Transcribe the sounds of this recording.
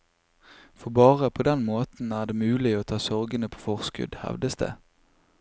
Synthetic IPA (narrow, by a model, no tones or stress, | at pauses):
fɔʁbɑːʁəpʰoːd̪ɛnmoːt̪n̩æːʁd̪eːmʉːlɪoːt̪ʰɑːsɔʁɡənəpʰo̥ːfɔʁskʉ̰d̪hɛ̰ʋd̪əsd̪ḛː